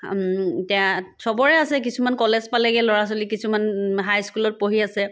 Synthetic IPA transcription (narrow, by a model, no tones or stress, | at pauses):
tɛasɔbɔɹɛasɛk̬isumankɔlɛzpalɛɡɛlɔɹasolikisumanɦajskulɔt̚poɦiasɛ